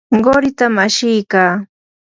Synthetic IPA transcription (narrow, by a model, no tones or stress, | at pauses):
ɢoɾɪt̪amaʃɪjkaː